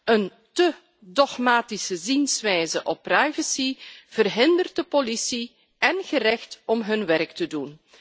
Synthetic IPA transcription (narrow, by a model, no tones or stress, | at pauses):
ən | tə | dɔχmaːtisəzinsʋɛjzəʔɔpːrajvəsiv̥ərɦɪndərtdəpolisi | ɛnɣəɾɛxtɔmɦɵnʋɛɾktədun